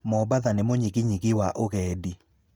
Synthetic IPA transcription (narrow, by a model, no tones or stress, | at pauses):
mɔbaðanemoɲiɣɪɲiɣɪwaʔoɣɛːdi